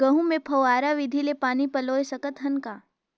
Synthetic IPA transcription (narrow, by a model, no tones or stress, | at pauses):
ɡɐɦũmẽpʰɐwaːɾaʋɪd̪ʱilepaːnipɐloːesɐkət̪ɦɐnkaː